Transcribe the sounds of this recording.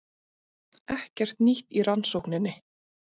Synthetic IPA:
ɛhcɛr̥t̪niht̪iɾansowknɪnːɪ

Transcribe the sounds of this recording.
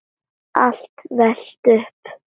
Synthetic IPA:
a̰l̥t̪vɛl̥t̪ʏhp

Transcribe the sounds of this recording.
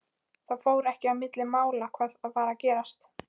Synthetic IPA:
θaðfoːwɾɛhcɪavmɪt̪lɪmaːwlakʰvaːðaðfaːɾacɛːɾast̪

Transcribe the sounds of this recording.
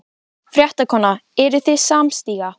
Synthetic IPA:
fɾjɛht̪akʰɔːnaɛɾʏθɪðsaːmst̪iːɣa

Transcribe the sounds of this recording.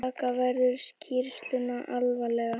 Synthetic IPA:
aːkavɛɾðʏɾ̥scʰɪɾst̪lʏnaʔalvalɛɣa

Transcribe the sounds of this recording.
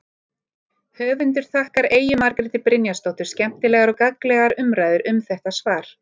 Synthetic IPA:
hœːvʏnt̪ʏɾ̥θahkaɾeːjʏmaɾkɾɪt̪ɪpɾɪnjast̪owht̪ʏɾ̥scɛm̥t̪ɪlɛːɣaɾɔkaklɛɣaɾʏmɾaːjðʏɾʔʏmθɛht̪asvaːɾ̥

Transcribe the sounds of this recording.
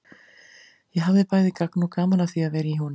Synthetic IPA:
jɛɦavðɪpaːjðɪkaknukaːmalaθiaðvɛːɾɪiɦun

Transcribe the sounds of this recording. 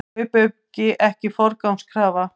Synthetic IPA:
ʏpʏɥcːɪʔɛhcɪfɔɾkawmskʰɾaːva

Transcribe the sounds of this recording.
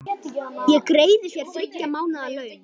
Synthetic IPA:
jɛkɾeːjðɪsjɛɾ̥fɪcːamaːwnaːlœːɥ

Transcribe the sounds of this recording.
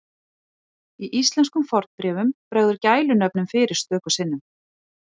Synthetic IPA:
iʔist̪lɛnskʏmfɔɾ̥t̪pɾɛːvʏmpɾœɣðʏɾcaːjlʏnœp̚nʏmfɪːɾɪɾ̥st̪œːkʏ̥sɪnːʏm

